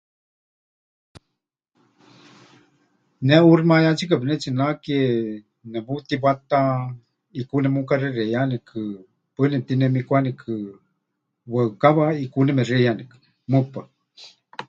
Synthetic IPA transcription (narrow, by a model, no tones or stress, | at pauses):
nɛurmajat͡ʃik̬apinɛt͡ʃinakie | nɛbut̪ibat̪a | ikunɛmukarerejanɛkʰɨ | pənɛt̪inɛmikʷanikʰɨ | wəkaβaikunɛmɛrejanikɨ̥ | mɨpa